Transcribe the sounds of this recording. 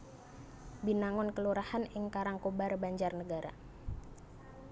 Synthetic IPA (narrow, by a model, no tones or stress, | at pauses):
binaŋɔnkəluɾahanɪŋkaɾaŋkobarbaɲd͡ʒarnəɡaɾa̰